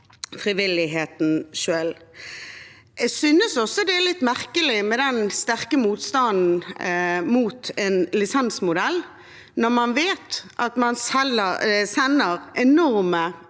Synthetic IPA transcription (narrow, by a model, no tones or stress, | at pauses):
fʁiʋɪlɪɦeːt̪n̩ʃøːl | ɛsʏnəsɔsːɔd̪ɛæʁlɪt̪ːmæʁkəlɪmɛd̪ɛnst̪æʁkəmuːt̪st̪ɑnd̪n̩ | muːt̪ɛnlɪsɛnsmʊd̪ɛl | nɔʁmɑnʋeːt̪ʔɑt̪mɑnsɛəsɛnːəɾɛnɔʁmə